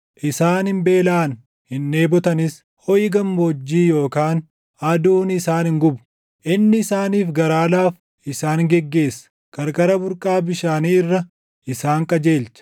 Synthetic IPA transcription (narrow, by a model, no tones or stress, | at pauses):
ʔɪsaːnɪmbe̞ːlaːn | hɪnːeːbɔt̪ɐnɪs | hɔjɪɡɐmbɔd͡ʒːiːjo̞ːkaːn | ɐd̪uːnɪsaːnhɪŋɡʊbʊ̥ | ʔɪnːɪɪsaːniːfɡɐɾaːlaːf | ʔɪsaːŋɡɛɡːe̞ːsːɐ̥ | kɐɾkʼɐɾɐbʊɾkʼaːbɪʃaːniːɪrːɐ | ɪsaːŋkʼɐd͡ʒe̞ːlt͡ʃɐ̥